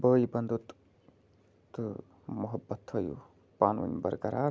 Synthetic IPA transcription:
bəːjibɐnd̪ut̪ | t̪ | muɦɐbːɐt̪həjṵ | paːnʋɐ̰nbɐ̰ɾkɐɾaː

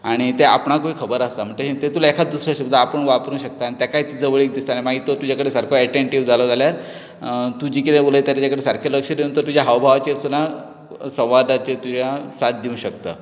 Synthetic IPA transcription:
aɽ̃it̪ea̰pɳakoikʰəbəɾast̪am̤əʈleet̪et̪ulaekʰad̪usɾəɕubd̪ʱːaːpəɳʋapɾũːnɕək̚t̪aːnit̪jakaɦit̪id͡zəʋəɭiːk̚d̪ist̪animaɡʱiːt̪ot̪ud͡ʑakəɽesaɾkʰoɛʈeɳʈiʋd͡zaləd͡zaljaɾ | t̪ud͡ʑiːkit̪ẽbolət̪jaɾat͡ɕakəɽesaɾkʰaləkʂəd̪iənt̪əɾt̪ud͡ʑjaɦaʋbʱaʋat͡ɕesuna | sə̃w̃ʋad̪at͡ɕet̪ud͡ʑasat̪̚d̪iũɕəkt̪a̰

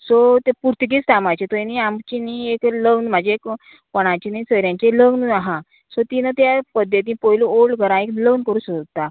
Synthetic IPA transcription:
sɔt̪epuɾt̪əɡiːt͡st̪ʰamajt͡ɕet̪ɔniamt͡ɕiniekləɡnm̤ad͡ʑiek | pəɽ̃at͡ɕinisəɾjãɲt͡ɕeləɡnaɦã | sot̪inat̪japəd̪ʱjət̪̬ĩpojluolɡəɾãekləɡnkəɾuːsəɡt̪a

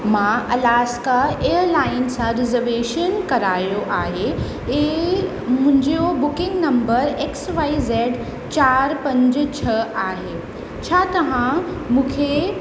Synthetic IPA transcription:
mãɐlaːskaeːəɾlaːɪnsãɾɪzəɾʋeːʃənkɐɾaːjoʔaːɦe | e | mʊ̃ɦɪ̃ɲd͡ʑeobʊkɪ̃ŋɡnɐ̃mbəɾeksʋaːizɛːɖ | t͡ɕaːɾpɐ̃ɲd͡ʑt͡ɕʰɐaːɦe | t͡ɕʰaːt̪ɐʋ̤ãmũːkʰe

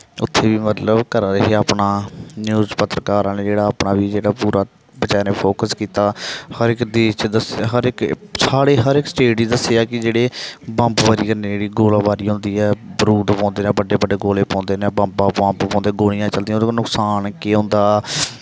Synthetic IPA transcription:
ʊ̰t̪ʰːeːʋiːmət̪ləbkəɾaːɾəɦeaːpɳaːnjuːzpət̪ɾəkaːɾaːneːd͡ʒeːɽaːaːpɳaːʋiːd͡ʒeːɽaːpuːɾaː | bət͡ʃaːneːpʰoːkəskiːt̪aːhəɾɪkd̪eːt͡ʃd̪əsɦəɾɪksaːɽeːɦəɾɪksʈeːɖiːd̪əsejaːkɪd͡ʒeːɽeːbãːmpʋaːɾiːkəɾneːd͡ʒeːɽiːɡoːlãːbaːɾiːɦʊ̃nd̪iːɛːbəɾuːd̪pɔ̃ːnd̪eːnẽːbəɖeːbəɖeːɡoːleːpãːnd̪eːnẽːbãmbaːpãːmppɔ̃ːnd̪eːɡoːɽ̃ĩjãːt͡ʃəld̪iːãːoːɪknʊksaːnkeːɦʊ̃nd̪aː

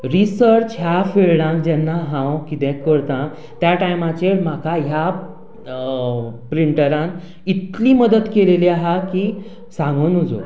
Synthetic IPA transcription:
ɾisəɾt͡ɕɦjafeɭɽãkd͡ʑɛnːaɦãwkit̪ɛ̃kəɾt̪ã | t̪jaʈajmat͡ɕeɾmakʰaɦja | pɾiɳʈəɾãn | it̪liːməd̪ət̪keleliaɦakiː | sãŋɡənud͡zo̰

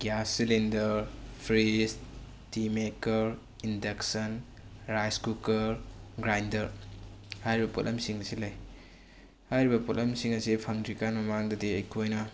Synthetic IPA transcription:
ɡjasːilindɐɾpʰɾis | timekɐɾ | indeksɐn | ɾajskukɐɾɡɾajndɐɾhajɾibɐputlɐmsiŋɐsilɐj | hajɾibɐputlɐmsiŋɐsipʰɐŋdikanmɐmaŋdɐdiɐjkʰojnɐ

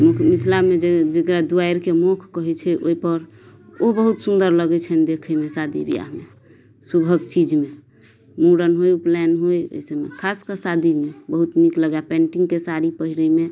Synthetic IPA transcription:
mukʰmit̪ʰlamed͡ʒed͡ʒekɾad̪uaiɾkemokʰkəɦɛt͡ʃʰɛʔo̰ipəɾ | obəɦut̪sund̪əɾləɡɛt͡ʃʰənd̪ekʰəmesad̪ḭbḭja̰ɦme | subʱəɡt͡ʃid͡ʒme | muɽənɦojuplɛnɦojo̰semekʰaskəsad̪imebəɦut̪mikləɡjapɛ̃ɳʈiŋɡkesaɾipəɦiɾəjme

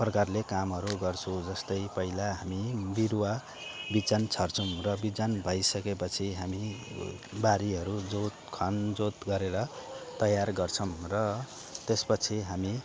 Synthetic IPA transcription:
prʌkarlekamɦʌɾuɡʌrt͡sʰud͡zʌst̪ʌjpʌilaɦamibiɾwa | bid͡zant͡sʰʌrt͡sʰumrʌbid͡zanbʱʌjsʌkepʌt͡sʰiɦami | baɾiɦʌɾud͡zot̪kʰʌnd͡zot̪ɡʌɾeɾʌt̪ʌjarɡʌrt͡sʰʌmrʌ | t̪espʌt͡sʰiɦami

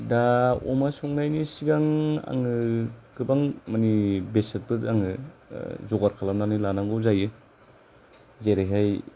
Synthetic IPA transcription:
daɔ̰masɔŋnajnisiɡaŋa̰ŋɯkɯbaŋmanibesat̚bɯtaŋɯ | zɔɡaɾkʰalamnanɯlanaŋɡɯzajɯ | zeɾaɦaj

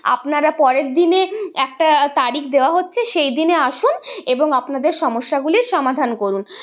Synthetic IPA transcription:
a̰pnaɾapɔɾeɾd̪ineɛk̚ʈat̪aɾikd̪eoaɦotːɕʰeʃejd̪ineaʃuneboŋapnad̪eɾʃɔmoʃːaɡuliɾʃɔmad̪ʱankoɾun

